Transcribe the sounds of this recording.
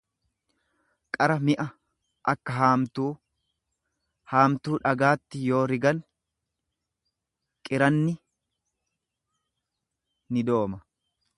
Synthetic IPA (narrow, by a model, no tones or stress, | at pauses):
kʼɐɾɐmɪʔɐ | ʔɐkːɐɦaːmt̪uː | haːmt̪uːᶑɐɡaːt̪ːɪjo̞ːɾɪɡɐn | kʼɪɾɐnːɪ | nɪd̪o̞ːmɐ